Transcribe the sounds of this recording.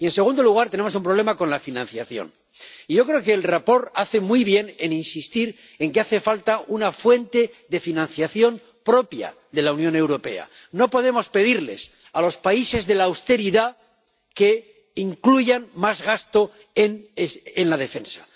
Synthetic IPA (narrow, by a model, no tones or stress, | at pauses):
ie̞nse̞ɣ̞ũnd̪oluɣ̞aɾt̪e̞ne̞mos̬umpɾole̞mako̞nlafinãnθjaθjo̞̰n | iʝo̞kɾe̞okeːlrapo̞ɾaθe̞mujβje̞neninsist̪iɾ | e̞ŋkeaθe̞falt̪aunafwe̞nt̪e̞ðe̞finãn̟θjaθjo̞m | pɾo̞pja̰ | ðe̞launjõ̞ne̞wɾo̞pe̞̰a̰ | no̞po̞ð̞e̞mo̞spe̞ðiɾle̞̰s | alo̞spaise̞zðe̞laːwst̪e̞ɾiða | ke̞ | iŋkluʝanmazɣast̪o̞ | enenlað̞e̞fe̞nsḁ